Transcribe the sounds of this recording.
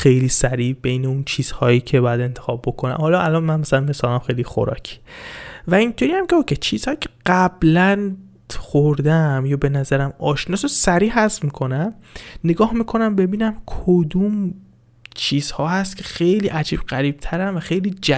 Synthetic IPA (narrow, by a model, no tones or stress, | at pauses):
xe̞jliːsæɾiːbe̞jneunt͡ʃʰiːz̥hɒːjiːcʰebɒːjæd̪e̞nt̪ʰexɒːb̚bːo̞kʰonæ̰mhɒːlɒːʔælɒːnmænmæsælænmesɒːlæmxejlixo̰ɾɒ̰ːcʰi̥væint̪ʰoɾiːjæmcʲeocʰet͡ʃʰiːz̥hɒːjicʲʰeɢ̥æblæn | xoɾd̪æmjɒːbe̞næzæɾæmɒːʃnɒːsosæɾiːɦæsmiːkʰo̞næmneɡɒːhmiːkʰo̞næmbe̞biːnæmkʰod̪uːm | t͡ʃʰiːz̥hɒːhæst̪cʰe̞xejliːʔæd͡ʒiːb̥̚ɢæɾiːb̥̚t̪ʰæɾænvæxe̞jliːd͡ʒæ